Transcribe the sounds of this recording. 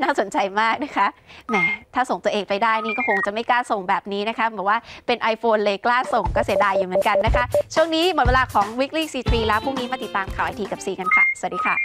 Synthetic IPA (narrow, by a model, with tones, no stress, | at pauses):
naː˥˩so˨˩˦nt͡ɕa˧jmaː˥˩k̚na˦˥kʰa˦˥ʔnɛː˥˧˩t̪ʰaː˥˩so˨˩ŋt̪u˧əʔeː˧ŋpa˧jdaː˥˩jniː˥˩kɔː˥˩kʰo˧ŋt͡ɕa˨˩ma˥˩jklaː˥˩so˨˩ŋbɛː˨˩p̚niː˦˥na˦˥kʰa˦˥bɛː˨˩p̚waː˥˩pe˧nʔa˧jfoː˧nlɤː˧jklaː˥˩so˨˩ŋkɔː˥˩si˩˦daː˧jːuː˨˩mɯ˩˦nka˧nːa˦˥kʰa˦˥ʔt͡ɕʰu˥˩əŋniː˦˥mo˨˩t̪̚weː˧laː˧kʰɔː˩˦ŋwi˦˥k̚liː˥˩siː˧t̪ʰɾiː˧lɛ˦˥wpʰu˥˩ŋniː˦˥maː˥˩t̪i˨˩t̪ːaː˧mkʰaː˨˩wʔa˧jt̪ʰːka˨˩p̚siː˨˩ka˧nkʰa˥˩sa˨˩˦t̚diː˧kʰaː˧˥˩